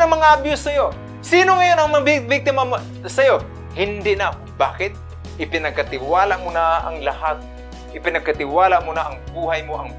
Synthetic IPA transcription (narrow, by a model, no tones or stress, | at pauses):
ɐŋmɐŋaʔabjʊsːɐjo̞ | siːnoŋɐjo̞nɐŋmɐŋabɪbɪɡ̚t̪ɪmam | sɐjo̞ | hɪnd̪ɪʔna | baːkɪt̪̚ | ʔɪpɪnɐɡ̚kɐt̪ɪwaːlamonaɐ̰ŋlɐhat̪̚ | ʔɪpɪnɐɡ̚kɐt̪ɪwaːlamonaʔɐŋbuːɦɐjmoʔɐŋ